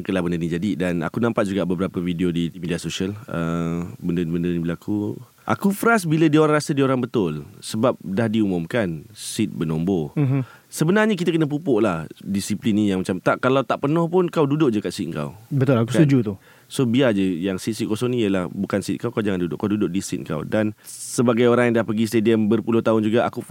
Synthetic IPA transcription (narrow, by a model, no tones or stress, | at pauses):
ŋkəlahbəndənid͡ʒadidana̰kunãmpat̪̚d͡ʒuɡaʔbəbəɾapəfidiodiimidiasosiələbəndənibəndəɾnibəlaku | ʔa̰kufəɾas̬bilədiəoɾaŋrasadiəoɾaŋbət̪ʊlsəbap̚dahdiumʊmkansit̪̚bənɔmbo | səbənarɲək̬it̪akənəp̬upʊʔlahdisiplinijaŋmat͡ʃamt̪aʔkalawt̪aʔpərnɔhpʊnkawdudʊʔ̚d͡ʒakat̪sit̪̚ŋka̰wbət̪ʊlak̬usud͡ʒut̪u | sobiad͡ʒəjaŋsit̪̚sit̪̚kosɔŋnijəlahbukansit̪̚ŋkawkawd͡ʒaŋandudʊ̰ʔkawdudʊʔ̚disḭt̪̚ŋka̰wdansəbaɡajoɾaŋjaŋdahpəɡis̬t̪ediəmbərpulʊht̪aʊnd͡ʒuɡaʔa̰kuf